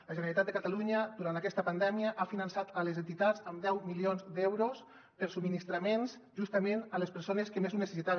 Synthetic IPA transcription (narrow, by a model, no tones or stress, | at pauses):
ləʒəneɾalit̪at̪d̪ekat̪aluɲəd̪uɾant̪akɛst̪əpand̪ɛmiəʔafinənsat̪əlezent̪it̪atzəmd̪ɛwmilionzd̪ɛwɾos | pəɾsub̚minist̪ɾamensʒust̪əmenəlespəɾsoneskemezunesesit̪aβe